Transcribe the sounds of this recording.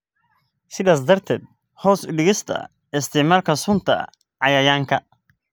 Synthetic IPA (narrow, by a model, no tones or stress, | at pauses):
sɪðaːsd̪ɐrt̪ʰɛ̰ːd̪̚ | hɔːsʊɖɪɣɪst̪ʰɐ̰ | ɪst̪ʰɪʕmaːlkʰɐsʊnt̪ʰɐ̰ | ʕɑjaːjaːŋkʰɐ